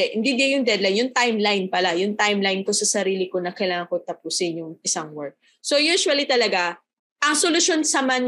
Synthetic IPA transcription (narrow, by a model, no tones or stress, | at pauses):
ɛʔɪnd̪ɪd̪jɐŋjʊŋd̪ɛd̪lajnjʊŋt̪ajmlajnpɐlajʊŋt̪ajmlajnko̞sɐsɐɾiːlɪko̞nɐkɐjlaːŋɐŋkot̪ɐpuːsɪnjʊŋɪsaŋwɛɹk̚ | so̞juːʃwɐlit̪ɐlɐɡa | ʔɐŋsolʊʃo̞nsɐman